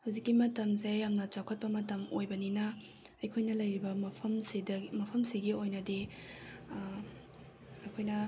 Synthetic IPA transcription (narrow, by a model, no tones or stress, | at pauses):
hɐwzikːimɐtɐmzejjamnɐt͡ʃawkʰɐt̚pɐmɐtɐmojbɐninɐː | jkʰojnɐlɐjɾibɐmpʰɐmsidmɐpʰɐmsiɡiojnɐdi | ɐjkʰojnɐ